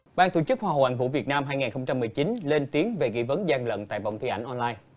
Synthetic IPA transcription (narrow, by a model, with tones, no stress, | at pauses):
ɓaː˧nt̪o̰ṵ˧˩t͡ɕɨ˦˥k̚hwaː˧˩o̰˨˩ʔa̰˧˨˩ŋvṵ˧˥˨vi˨˩ət̚naː˧mɦaː˧jŋaː˨˩nxə˧wŋ͡mt͡ɕa˧mːɨ˨˩əjt͡ɕi˨˦nle˧nt̪i˨˦əŋve˨˩ɣḭ˧˨˥və˨˦nzaː˧ŋlə̰˧˨nt̪a̰ː˧˨jva̰˧˨ŋ͡mt̪ʰi˧ʔa˧˩jŋ̟ʔɔ˧nlaː˧j